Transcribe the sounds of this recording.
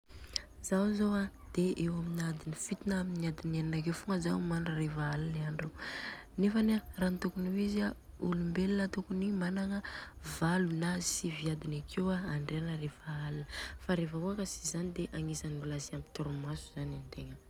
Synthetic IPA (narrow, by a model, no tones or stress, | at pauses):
zawzowa | d̪̥eewaminad̪inifit̪inaaminiad̪ineninak̬ewfuŋəzawmanərefaalaniaɳɖ͡ʐe | nefənerant̪ukunuwiza | ulumbelinət̪ukunimanaŋəvalunasiviad̪inakʰewaaɳɖ͡ʐeanəɾefaalinəfaɾefəuakəsi̥zanid̪eʔaŋisanimulasiamit̪uɾumasuz̥anant̪eŋə